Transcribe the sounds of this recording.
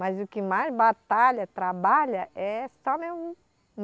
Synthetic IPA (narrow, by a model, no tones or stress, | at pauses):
mɐzʊkɪmajzbat̪aʎɐt̪ɾabaʎɐʔɛssɔmew | m